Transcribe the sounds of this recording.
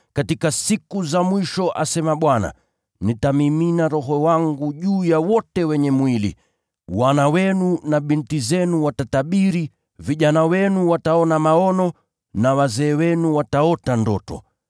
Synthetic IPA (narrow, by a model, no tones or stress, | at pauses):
katikasikuzamwiʃɔʔasɛmaɓwana̰ | nitamiminaɾɔɦɔwaŋɡuʄuːjawɔtɛwɛɲɛmwilḭ | wanawɛnunaɓintizɛnuwatataɓiɾi | viʄanawɛnuwataɔnamaɔnɔ | nawazɛːwɛnuwataɔtandɔtɔ̰